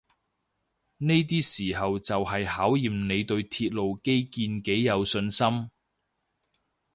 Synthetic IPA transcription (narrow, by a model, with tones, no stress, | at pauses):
ne˥jt̪iː˥siː˨˩hɐ˨wt͡sɐ˨whɐ˨jhaː˨˥wjiː˨mne˨˧jt̪ɵ˧ɥt̪ʰiː˧t̚lo˨wke˥jkiː˧nke˨˥jːɐ˨˧wsɵ˧nsɐ˥m